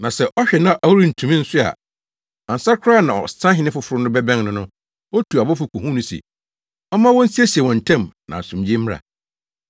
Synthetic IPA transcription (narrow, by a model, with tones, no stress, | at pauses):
nã˨sɛ˦ʔɔ˦ɕᶣɛ˨nã˦ʔa˨wu˦ɾi˦n̩˨tʰũ˨mĩ˦n̩˦sʊ˦a̰˨ | a˨n̩˨sa˦ɾkʰʊ˦ɾa˦˨nã˨ɔ̰˨stʰã˦ɦɪ˦nɪ̃˦fʊ˦fʊ˨˦ɾʊ˦nʊ̃˦bɛ˦bɛ̃˦ŋnʊ̃˦nʊ̃˦ | ɔ˦tʰu˨a˨bɔ˦fʊ˨kʰu˨hũ˦nʊ̃˦sḭ˨ | ɔ˦mã˦wɔ̃˦n̩˦si˦e˦si˨wɔ̃˨n̩˨tʰɛ̃˦˨mnã̰˨sũ˨md͡ʑi˦mː˦ɾa̰˨